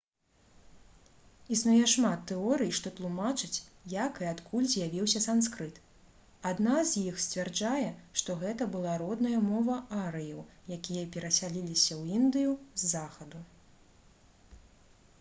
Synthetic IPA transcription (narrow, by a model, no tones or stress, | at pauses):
isnujɛʂmat̪ːɛɔɾɨjʂt̪ɔt̪lˠumat͡ʂɨt͡sʲjakɨat̪kʰulʲzʲjavʲiwsʲɐsanskɾɨt̪ | ad̪nazʲjixsʲt͡sʲvʲɛrd͡ʐajɛʂt̪ɔɣɛt̪ɐbɨlˠaɾɔd̪nɐjɐmɔvɐaɾɨjɐwjakʲijɐpʲɛɾɐsʲalʲilʲisʲɐwind̪ɨjuzːaxɐd̪u